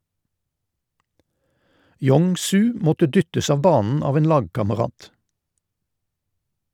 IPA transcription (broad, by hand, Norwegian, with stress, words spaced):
ˈjɔŋ ˈsʉː ˈmɔtə ˈdʏtəs ˈɑːʋ ˈbɑːnn̩ ˈɑːʋ ˈeːn ˈlɑːɡkɑməˌʁɑːt